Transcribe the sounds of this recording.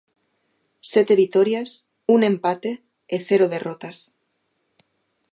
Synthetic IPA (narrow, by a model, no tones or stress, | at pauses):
set̪eβit̪oɾjas | unẽ̞mpat̪eː | θeɾoðe̞rot̪as